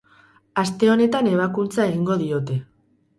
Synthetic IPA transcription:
ast̪e̞o̞ne̞t̪ane̞β̞akunt͡sae̞ɣiŋɡo̞ðio̞t̪e̞

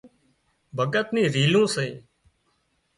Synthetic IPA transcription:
bʱəɠət̪nĩːɾiːlũːseː

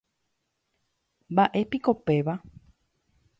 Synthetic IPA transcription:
mbaʔe̞piko̞pe̞ʋa

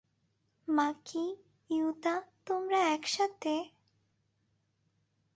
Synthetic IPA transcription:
makʰi | jut̪at̪omɾaɛkʃat̪ʰe

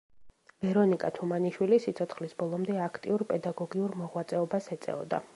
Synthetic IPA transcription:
vɛɾɔnikʼat̪ʰumaniʃwilisit̪sʰɔt̪sʰχlisbɔlˠɔmd̪ɛakʰt̪ʼḭuɾpʼɛd̪aɡɔɡiuɾmɔʁwat̪sʼɛɔbasɛt̪sʼɛ̰ɔ̰d̪a̰

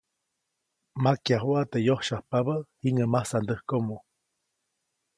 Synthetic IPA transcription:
makjaɦoat̪ejohʃahpaβahiŋəmahsand̪əhkomo

